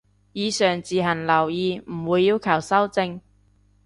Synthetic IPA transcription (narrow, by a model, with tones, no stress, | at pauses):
jiː˨˧sœː˨˩ŋt͡siː˨ɦɐ˨˩nlɐ˨˩wjiː˨˧m̩˨˩wuː˨˧jːiː˧wkʰɐ˨˩wsɐ˥wt͡sɪ˧ŋ